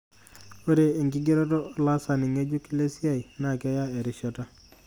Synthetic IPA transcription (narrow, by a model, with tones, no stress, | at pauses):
o˦ɾe˨e˨ŋɡɪ˦ɡe˦ɾɔ˦tɔ˦la˦sa˨nɪ˨ŋe˦d͡ʒu˦ki˦le˦si˦a˦˨i˨na˨ka˦ja˦e˨ɾɪ˨ʃɔ˦ta˦